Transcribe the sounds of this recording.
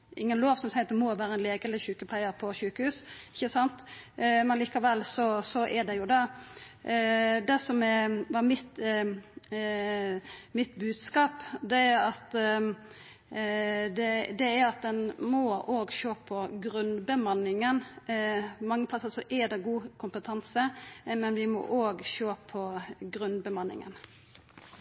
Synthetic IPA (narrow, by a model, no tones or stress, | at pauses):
ʔɪŋːənloːʋsɔmsæɪɑt̪ɛmɔʋæːɾəɛnleːɡəɛləçʉːkəplæɪəɾpʰɔɕʉːkəhʉːsɪçːəsɑnt̪mɛnliːkɑʋɛlsɔsɔʔɛɖɛjʊd̪ɛ | d̪ɛsɔmɛʋɑɾmɪt̪ | mɪt̪bʉːd̪skɑːpd̪ɛæɾɑt̪ | d̪ɛd̪ɛæɾɑt̪̚d̪ɛnmɔʔoːɡʃøːpʰɔɡɾʉnbəmɑnɪŋən | pɔmɑŋːəpʰlɑsəsɔʔɛd̪ɛɡuːkʰʊmpət̪ʰɑnsəmɛnʋɪmɔ̰ʔoːɡʃøːpʰɔɡɾʉnbəmɑnːɪ̰ŋə̰n